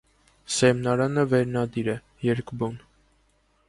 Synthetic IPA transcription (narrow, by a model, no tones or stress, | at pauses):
sɛmnɑɾɑnəvɛɾnɑd̪iɾɛ | jɛɾkʰbun